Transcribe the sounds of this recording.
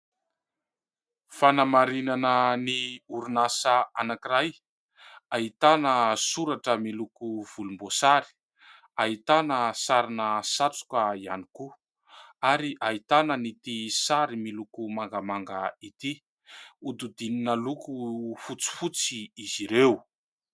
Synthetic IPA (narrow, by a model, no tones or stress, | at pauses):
fanamaɾinanəniuɾunasaanakiɾaj | ait̪anəsuɾaʈ͡ʂəmilukuv̥ulumbosaɾi̥ | ait̪anəsaɾinəsat͡su̥kaia̰niku | aɾiʔait̪anənit̪isaɾimilukumaŋɡamaŋɡəit̪i | ud̪ud̪ininəlukufut͡si̥fut͡siiziɾew